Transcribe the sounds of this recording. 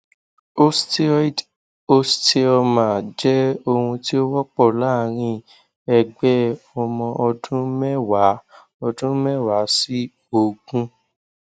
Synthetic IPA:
o˦ | o˦ste˧ɔ˧mã˨d͡ʒɛ˦o˧hũ˧ti˦o˦wɔ˦k͡pɔ˦˨la˨˦˨ɾ̃ĩ˧ | ɛ˧ɡ͡bɛ˦ɔ˧mɔ̃˧ʔɔ˧dũ˦mɛ˦wa˨˦ | ɔ˧dũ˦mɛ˦˨wa˨˦si˦ | o˦˨ɡũ˦

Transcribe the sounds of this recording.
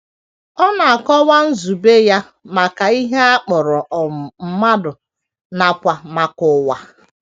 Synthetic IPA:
ɔ˦na˨a˨kɔ˦wa˦n̩˦zu˨be˦ja˦ | ma˨ka˨i˦ɦe˦a˦k͡pʊ˨ɾʊ˨ʔɔ˨m˨m̩˦ma˦dʊ˨ | na˨kʷa˨ma˨kʊ˦wa˦

